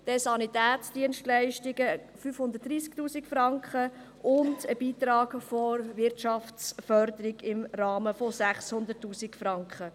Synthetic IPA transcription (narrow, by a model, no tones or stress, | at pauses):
d̥ɛsɑnit̪æːt͡sd̥iənʃtlæɪʃtiɡə | fyfhʊndət̚d̥̪ɾiːsktuːsikfɾɑŋkχə | ʔʊndəb̥iːt̪ɾɑːɡfoɾvɪɾtʃɑft͡sfœɾd̪əɾiɡɪmɾɑːməfɔsæχshʊnd̪ətːuːsikfɾɑŋkχə